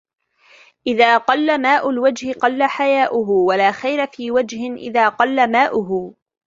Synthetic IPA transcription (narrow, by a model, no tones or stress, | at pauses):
ʔɪðaːqɑlːamaːʔʊlwad͡ʒhɪqɑlːaħajaːʔʊɦʊwalaːxajɾafiːwad͡ʒhɪnʔɪ̰ðaːqɑlːamaːʔʊɦʊ